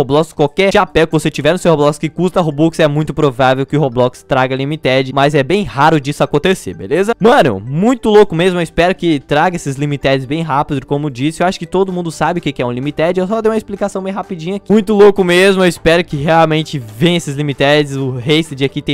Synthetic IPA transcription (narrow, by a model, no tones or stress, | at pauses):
oblɔkskwawkɛapɛwkɪvoset͡ʃivɛɾnʊsewhoblɔkskɪkust̪ɐɦobuksɛmũj̃t̪ʊpɾovavewkɪʊɦoblɔkst̪ɾaɡɐlimit̪ɛd͡ʒɪmɐzɛbẽj̃haɾʊd͡ʒisʊakõnt̪esḛɾbḛlezɐmɐ̃nʊ̰mũj̃t̪ʊlokʊmezmʊɛɪspɛɾʊkɪt̪ɾaɡɐesɪzlimit̪ɛd͡ʒɪzbẽj̃ɦapid̪ʊɪkõmʊd͡ʒisɪewaʃʊ̥kɪt̪od̪ʊmũnd̪ʊsabɪʊkekɪɛũlimit̪ɛd͡ʒɪewsɔd̪ejũmɐesplikasɐ̃w̃bẽj̃hapid͡ʒĩɲakimũj̃t̪ʊlokʊmezmʊewɪspɛɾʊkɪɦeawmẽnt͡ʃɪvẽj̃esɪzlimit̪ɛd͡ʒɪsʊɦesɪd͡ʒɪakit̪ẽj